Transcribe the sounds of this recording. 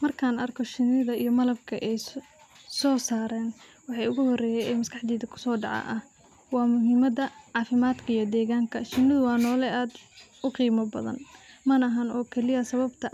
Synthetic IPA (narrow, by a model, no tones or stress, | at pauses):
mɐrkʰaːnɐrkʰɔʃɪnːɪðɐḭjɞmɐlɐb̚kʰɐʔɛj | sɔːsaːɾɛːnwɑħɑjʊɣʊɦɔrɛːjɛːɛjmɐskʰɑħd̪iːðɐkʰʊ̥sɔːɖɑ̰ʕɑ̰ʔɐh | wɑːmʊɦɪmɐd̪ɐʕɑːfɪmaːd̪kʰɐijɔd̪ɛːɣaːŋkʰɐʃɪnːɪðʊwɑːnɔːlɛʔaːd̪ʊqiːmɔbɐ̰ðɐ̰nmɐnɐɦɐnɔːkʰɛlɪjɐsɐβɐbt̪ʰɐ